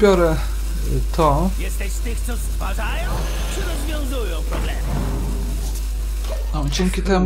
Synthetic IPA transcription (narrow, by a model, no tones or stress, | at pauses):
pʲjɔɾɛ | t̪ʰɔjɛst̪ɛɕt̪ɘxt̪sɔst̪faʐajɔ̃w̃ | t͡ʂɘɾɔzvʲjɔ̃w̃zujɔ̃w̃pɾɔblɛmɨ | ɔd͡ʑɛŋʲkʲit̪ɛm